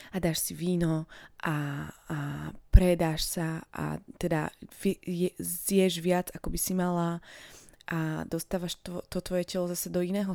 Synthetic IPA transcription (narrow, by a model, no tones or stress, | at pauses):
ad̪aːʃsiʋiːnɔʔa | pɾɛd̪aʃsaʔa̰t̪ɛd̪aɛjɛzjɛʒʋɪad͡zakɔbisimala | ʔad̪ɔst̪aːʋaʃt̪ɔt̪ɔt̪ʋɔjɛcɛlɔzasɛd̪ɔinɛːɦɔ